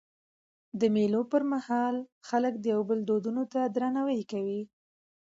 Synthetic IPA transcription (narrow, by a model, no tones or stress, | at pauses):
d̪əmelopəɾmahɑlxaləkd̪əjawbəld̪od̪unot̪ad̪ɾanawəjkawi